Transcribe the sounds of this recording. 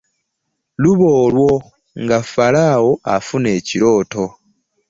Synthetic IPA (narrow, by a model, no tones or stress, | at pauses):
luβo̞ːlwo̞ | ŋɡafalaːwo̞a̰fune̞ːciɾo̞ːto̞